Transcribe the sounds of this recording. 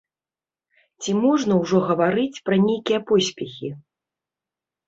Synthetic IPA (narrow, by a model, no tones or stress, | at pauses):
t͡sʲimɔʐnɐwʐɔɣɐvaɾɨt͡sʲpɾɐnʲejkʲijɐpɔsʲpʲɛxʲi